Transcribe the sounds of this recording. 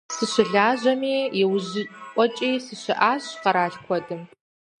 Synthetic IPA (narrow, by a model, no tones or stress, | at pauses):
sɨɕɪɮaːʑɐmiːjɛwʑɪʔʷʼɔt͡ʃʼiːsɨɕɪʔaːɕqɐɾaːɬkʷʰɔdɨm